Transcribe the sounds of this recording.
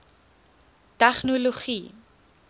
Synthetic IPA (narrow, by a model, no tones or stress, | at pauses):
tæχnoloχi